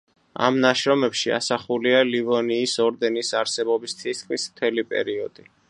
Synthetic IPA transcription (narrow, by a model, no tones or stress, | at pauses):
a̰mnaʃɾɔmɛpʃia̰saχulialivɔniːsɔɾd̪ɛnisaɾsɛbɔbist̪sʰiskʼmismt̪ʰɛlipʼɛ̰ɾiɔd̪̥i